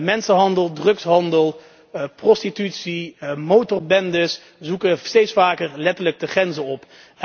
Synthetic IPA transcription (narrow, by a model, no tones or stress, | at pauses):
mɛnsəɦɑndəlˠdrɵksɦɑndəlˠ | prɔstitytsimowtɔɹbɛndəs | zukəstejtsfaːkəɹlɛtəɹləɡ̚dəχrɛnzənɔp